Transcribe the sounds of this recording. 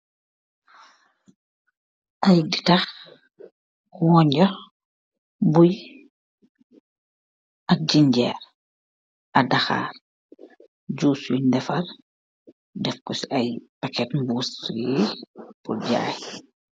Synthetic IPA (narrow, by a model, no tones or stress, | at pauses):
ʔɐjditɐx | wɔɲɟɔ | buj | ʔɐk̚ɟiɲɟɛ̰ːɾ | ɐdɐxa̰ːr | ɟuːsundɛfɐl | dɛfkɔsiɐjpɐkɛtmbuːsipuɟa̰ːj